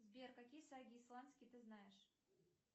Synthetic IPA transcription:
zbʲerkɐkʲijəsaɡʲɪːslˠanskʲɪjt̪ɨznajɪʂ

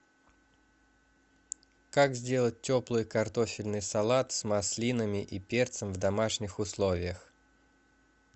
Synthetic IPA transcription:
kakzʲdʲe̞lˠət̚ʲtʲːo̞plˠɨjkɐrt̪o̞fʲɪlʲnɨjsɐlˠat̪smɐslʲinəmʲɪʔipʲe̞rt̪səmvd̪ɐmaʂnʲɪxʊslˠo̞vʲɪjəx

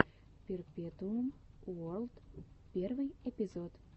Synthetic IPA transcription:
pʲerpʲet̪uəmuolt̪pʲervɨjepʲizot̪

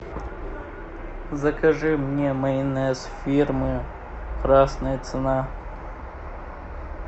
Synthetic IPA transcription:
zɐkʰɐʐɨmnʲemɐinesfʲirmɨ | qʰrasnɐjɐt͡s̪ʰɨna

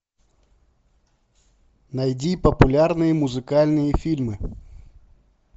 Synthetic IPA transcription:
nɐjdʲipəpʊlʲarnɨjəmʊzɨkalʲnɨjəfʲilʲmɨ

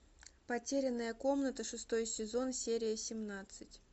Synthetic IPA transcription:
pɐtʲeɾʲɪnːəjəko̞mnət̪əʂɨst̪o̞jsʲɪzo̞nsʲeɾʲɪjəsʲɪmnat̪sɨtʲ

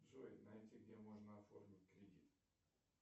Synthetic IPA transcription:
zojnɐɛtʲiɡdʲemoʐnəɐfo̰rmʲit̚ʲkrʲidʲit̪

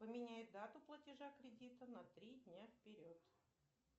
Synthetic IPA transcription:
pəmʲɪnʲæjɪt̪̚d̪at̪ʊplˠətʲɪʐakɾʲɪdʲit̪ənɐt̪ɾʲidʲnʲafpʲɪɾʲot̪

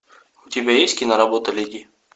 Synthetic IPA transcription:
ʊtʲɪbʲajesʲt̪ʲkʲinaɾɐbot̪əlʲeɡʲi

